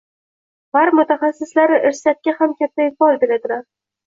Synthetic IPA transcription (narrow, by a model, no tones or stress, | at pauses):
baɾmʊt̪ʰaχasːɪslaɾɪʔɪɾsɪjat̪̚kʲahamkʲat̪ʰːaɪfɒlˠd̪elad̪ɪlaɾ